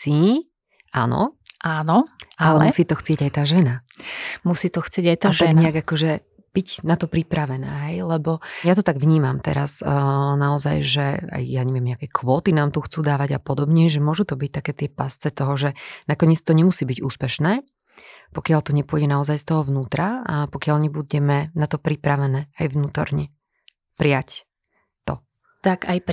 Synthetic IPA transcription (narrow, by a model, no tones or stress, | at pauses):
i | a̰ːnɔ̰ʔaːnɔʔalɛmsiːt̪ɔxt͡sɪɛɟajt̪aːʒɛnamusiːt̪ɔxt͡sɪɛɟajt̪aaʒt̪aɛnɡɲɪaɡakɔʒɛ | b̥iɟnat̪ɔpɾipɾaʋɛnɛ̰ːɦɛjlɛbɔjat̪ɔt̪aɡʋɲiːmamt̪ɛ̰ɾa̰snaɔza̰jʒɛa̰jjaɲɛʋɪɛmɲɛakɛkʰʋɔːt̪inaːmt̪uxt͡suːd̪aːʋaɟapɔd̪ɔbɲɛʒɛmʊɔʒut̪ɔbic̚t̪akɛːt̪ɪɛpast͡sɛt̪ɔɦɔʒɛnakɔɲɛt͡st̪ɔɲɛmusiːbiɟuːspɛʃnɛː | pɔkɪalt̪ɔɲɛpʊɔɟɛnaɔzajst̪ɔɦɔʋnuːt̪ɾaapɔkɪaʎɲɛbuɟɛmɛnat̪ɔpɾipɾaʋɛnɛːajʋnuːt̪ɔ̰ɾɲɛ | pɾɪac | t̪ɔ | t̪akaj